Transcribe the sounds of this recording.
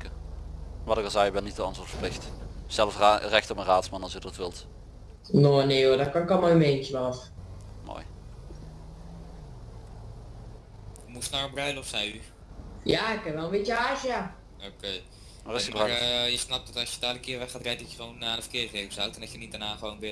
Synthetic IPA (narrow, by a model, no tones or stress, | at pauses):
kə | ʋɑtɪkɑlˠzɛjɪbɛnːitdəɑntʋoːtfəɹplɪxtz̥ɛləfrɛxtɔpənraːtsmɑnɑlˠsədɑtʋɪlˠt | noːneodakɑnɪkɑlˠmajəmeːnt͡ʃəʋɑfmo̰ːj | mustnaːrɔmbrœɥləɔfsɛjy | jaɪkːɛnʋɛlˠəmbɪtəaːʒja | okej | ʋaːrɪsəbrajəsnɑp̚tɑtɑsjədaləkɪːɹʋɛχaːtrɛjt̚dɑtjəχʋownaːnəfəkɪːχejvəsawtɛndɑtjənitdəɹnaːχəʋownbɪ